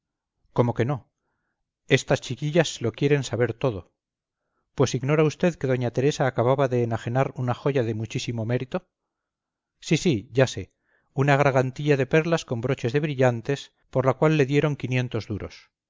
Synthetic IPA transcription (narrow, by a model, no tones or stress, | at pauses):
ko̞mo̞ke̞no̞ | e̞st̪ast͡ʃikiʎazlo̞kje̞ɾe̞nsaβe̞ɾt̪o̞ð̞o̞ | pwe̞siɣno̞ɾaust̪e̞ðke̞ðoɲat̪e̞ɾe̞saːkaβaβaðe̞ːnaxe̞naɾunaxo̞ʝaðe̞mut͡ʃisimo̞me̞ɾit̪o̞ | sisiʝase | unaɣ̞ɾaɣant̪iʎaðe̞pe̞ɾlasko̞mbɾo̞t͡ʃe̞zðe̞βɾiʎant̪e̞s | po̞ɾlakwalːe̞ðje̞ɾo̞ŋkinje̞nt̪o̞zðuɾo̞̰s